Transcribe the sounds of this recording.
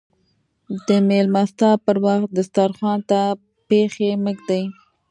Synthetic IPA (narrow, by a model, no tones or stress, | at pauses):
d̪əmelmast̪ɑpəɾwaxt̪̚d̪əst̪ɑɾxwɑnt̪a | pexeməkd̪aj